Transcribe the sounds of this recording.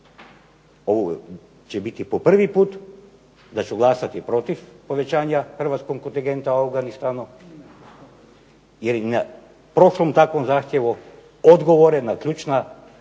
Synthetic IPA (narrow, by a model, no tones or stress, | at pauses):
o̞ʋo | t͡ʃebit̪ipopr̩ʋipuːt̪ | d̪at͡ʃuɡlˠasat̪ipɾo̞t̪ifpo̞ʋet͡ʃaːɲaxrʋat̪skoɡ̚kont̪iŋɡent̪aoafɡanist̪aːnu | jeɾna | pɾo̞ʃlomt̪akʋonzaːxt̪ʲjeʋo | od̪ɡoʋoɾenakʎʲuːt͡ʃna